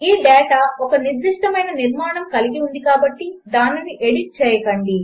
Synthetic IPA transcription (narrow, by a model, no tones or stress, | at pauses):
iːɖɛːʈaːɔkɐniɾd̪iʂʈɐmɐjnɐniɾmaːɳɐmkɐliɡiund̪ikaːbɐʈːid̪aːnːiniʔeɽiʈ̚t͡ʃɛːjɐkɐɳɖi